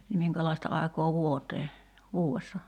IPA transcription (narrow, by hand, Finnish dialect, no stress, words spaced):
ni miŋkælɑi̞stɑ ɑˑi̞kɑː ʋuoteː ʋuːesːɑ